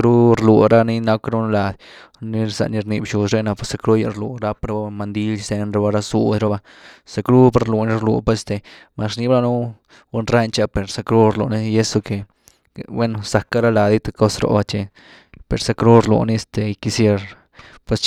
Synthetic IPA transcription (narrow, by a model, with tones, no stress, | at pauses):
kɾu˦ɾlu˨ɾa˦ni˦na˦kɾa˦nla˨d̪ | ni˦ɾsa̰˧ʔni˧ɾni˧bʃu˨sɾe˦na˧pwe˧˦sa˧kɾu˦ja̰˧ɾlṵ˨ɾa˦pɾa˦a˦ma˧nd̪i˦lse˧nɾa˧ba˧˦ɾa˦sṵ˦d̪ɾa˦ba˦ | sa˧kɾu˦pa˦ɾlu˨ni˦ɾlṵ˧pe˦st̪e˧ | ma˨sni˦bla˦˧nu˦ | u˦nɾa˦nt͡ʃa˦pe˨ɾsa˧kɾu˦ɾlṵ˧ni˦je˦so˧ke˨ | we˦no˧sa˨kːa˦ɾa˦la˨d̪i˦t̪a˧ko˦sɾo̰˧ba˦t͡ʃe˧ | pe˨ɾsa˧kɾu˦ɾlṵ˨ni˦e˧st̪e˧˨i˧ki˧sje˧ɾ | pwe˧s